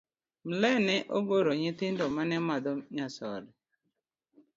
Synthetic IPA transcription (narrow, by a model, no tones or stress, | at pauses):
m̩lɛnɛʔoboɾoɲɪtɪndɔmanɛmadɔɲasɔ̰dɪ